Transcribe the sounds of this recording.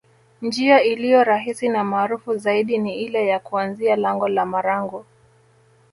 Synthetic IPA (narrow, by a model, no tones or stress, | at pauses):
nd͡ʒiailijɔɾaɦisinamaːɾufuzaiɗiniilɛjakuanzialaŋɡɔlamaɾaŋɡɔ